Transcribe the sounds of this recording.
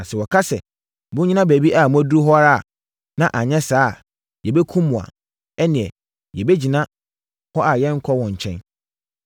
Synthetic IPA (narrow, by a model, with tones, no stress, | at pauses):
a˨sɛ˨wɔ˨kʰa˦sɛ˨ | bʊ̃˦ɲĩ˦nã˦bæ˨bi˦ʔa˨mũ˦æ˦du˦ɾu˦ɦɔ˦a˦ɾa˦a̰˨ | nã˦ʔa˨ɲɛ̃˦saː˦˨ | jɛ˨bɛ˦kʰũ˦mːũ˨a̰˨ | ɛ˦nɪ̃˨ɛ̰˨ | jɛ˨be˦d͡ʑi˨nã˦ | hɔ˦a˨jɛ̃˦ŋ̩˦kʰɔ˦wɔ̃˨ɲ̩˨t͡ɕʰɛ̰̃˦n